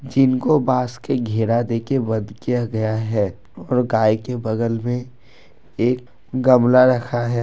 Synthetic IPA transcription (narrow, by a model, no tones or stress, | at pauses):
d͡ʒɪnkobaːskeɡʱeːɾad̪eːkebɐ̃d̪kijaɡɐjaɦɛː | ɔːɾɡaːjkebɐɡəlmẽ | eːk̚ | ɡɐmlaɾɐkʰaɦɛː